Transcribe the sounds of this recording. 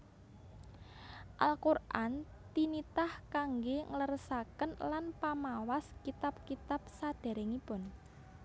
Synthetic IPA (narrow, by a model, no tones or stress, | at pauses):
ʔalkurʔan | t̪init̪ahkaŋɡeŋələɾsakənlanpamawaskit̪ap̚kit̪ap̚sad̪̥ɛ̤ɾɛŋipʊn